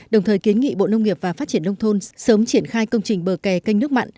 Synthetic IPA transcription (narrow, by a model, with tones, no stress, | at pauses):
ɗə˨˩wŋ͡mt̪ʰəː˨˩jki˨˦nŋḭ˧˨ɓo̰˧˨nə˧wŋ͡mŋi˨˩əp̚vaː˨˩faː˦˥t͡ɕi˧˩ənːə˧wŋ͡mt̪ʰo˧nsəː˨˦mt͡ɕi˧˩ənxaː˧jkə˧wŋ͡mt͡ɕï˨˩ŋ̟ɓəː˨˩kɛ˨˩kə˧jŋ̟nɨ˦˥ək̚ma̰˧˨n